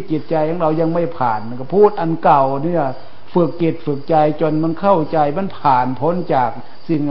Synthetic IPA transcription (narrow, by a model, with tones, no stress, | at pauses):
t͡ɕi˨˩t̪̚t͡ɕa˧jha˧˥ŋɾa˧˩wɲa˧ŋma˧˩jpʰaː˨˩nː˧kpʰuː˥˩t̪̚ʔa˧˨nka˨˩wni˧˥˨a˧˩ | fɯ˧˩k̚t͡ɕe˨˩t̪̚fɯ˧˩k̚t͡ɕa˧jt͡ɕo˧˨nm˧˥˨nkʰa˥˩wt͡ɕa˧jma˧˥˨npʰaː˨˩npʰo˧˥˨nt͡ɕaː˨˩k̚ | si˧˩ŋ